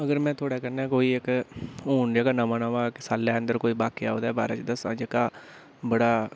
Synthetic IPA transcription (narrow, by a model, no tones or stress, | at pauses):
əɡəɾmɛ̃ːt̪ʰoːɽaːkənɛ̃ːkoːiːɪkɦuːɳd͡ʒekaːnaʋãːnaːʋãːkɪsaːlːɛːənd̪əɾkoːiːbaːkeːaːoːd̪aːbaːɾaːt͡ʃd̪əsã̰ːd͡ʒekaː | bəɽaː